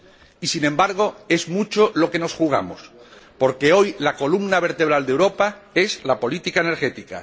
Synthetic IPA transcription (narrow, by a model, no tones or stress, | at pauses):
isinẽmbaɾɣ̞o̞e̞zmut͡ʃolo̞ke̞no̞sxuɣ̞a̰mospo̞ɾke̞o̞jlako̞lumnaβ̞e̞ɾt̪eβ̞ɾald̪e̞wɾo̞pae̞zlapo̞lit̪ikaeneɾxe̞t̪ika̰